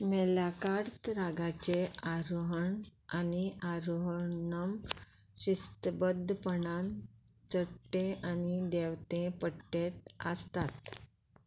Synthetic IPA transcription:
melakaɾt̪ɾaɡat͡ɕeaɾoɦəɳaniaɾoɦnəm | ɕist̪bəd̪ʱːəpəɳan | t͡səʈːẽanid̪eʋt̪ẽpəʈet̪ə̰st̪at̪

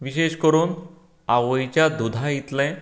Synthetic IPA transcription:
ʋiɕeɕkəɾuːn | aʋojt͡ɕjad̪ud̪ʱajit̪lɛ̃

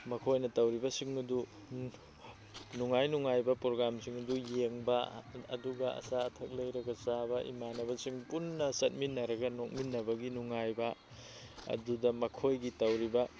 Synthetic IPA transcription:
mɐkʰojnɐtɐwɾibɐsiŋɐdu | nuŋajnuŋajbɐpɾoɡɾamsiŋɐdujeŋbɐɐduɡɐɐ̰saɐtʰɐk̚lɐjɾɐɡɐsabɐʔḭmanɐbɐsiŋpunːɐsɐt̚minːɐɾɐɡɐnok̚minːɐbɐɡinuŋajbɐ | ɐ̰dudɐmɐkʰojɡitɐwɾibɐ

